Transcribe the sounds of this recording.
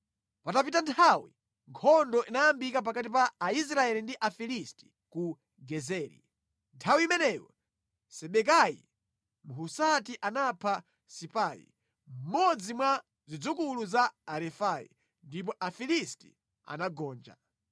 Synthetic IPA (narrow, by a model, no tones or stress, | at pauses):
patapitantʰawḭ | ŋkʰɔndɔʔinajambikap̬akat̬ipaːis̬ɾaɛlindiʔafilisti̥ | ku | ɡɛzɛːɾḭ | ntʰawiimɛnɛjɔ̰ | sɛɓɛk̬ajḭ | muɦusatiʔanapʰa | sipajḭ | m̩mɔd͡zimwa | zid͡zukuluzaːɾɛfajḭ | ndip̬ɔʔafilisti̥̰ | a̰naɡɔːnd͡ʒa̰